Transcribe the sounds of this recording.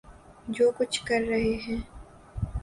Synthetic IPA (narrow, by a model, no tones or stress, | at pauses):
d͡ʒoːkʊt͡ʃʰkɐɾːɐɦeɦɛ̃ː